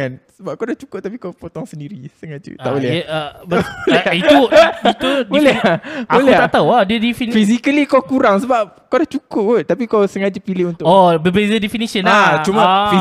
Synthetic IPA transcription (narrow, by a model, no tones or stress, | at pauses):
ansəbap̚kawdaht͡ʃu̥kʊt̪apikawpot̪ɔŋsəndiɾisəŋad͡ʒṵa̰ʔbolɛbbolɛit̪uit̪ubolɛbaoklɛt̪at̪awadiədifinfisikalikawkuɾaŋsəbap̚kawdaht͡ʃukʊt̪̚t̪apikawsəŋad͡ʒupilɪhunt̪ʊɔbəbezədefinisənat͡ʃumãfi